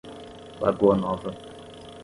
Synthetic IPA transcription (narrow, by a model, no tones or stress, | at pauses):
ba̰ɡɔnɔvə